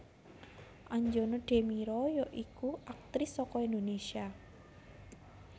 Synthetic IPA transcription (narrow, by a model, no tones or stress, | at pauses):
ʔaɲd͡ʒonɔɖ̥e̤miɾɔjɔʔikuʔak̚t̪ɾɪsːɔkɔind̪onesia